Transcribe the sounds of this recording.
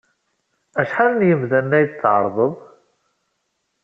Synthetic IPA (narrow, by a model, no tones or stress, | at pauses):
æʃħaðnjəmðænːæjd̪t͡sːʕə̰ɾˤðˤəðˤ